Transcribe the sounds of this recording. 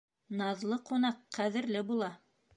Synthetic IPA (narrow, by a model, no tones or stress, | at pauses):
nɑðlˠɤqunɑqːæðɘ̆ɾlɘbulˠɑ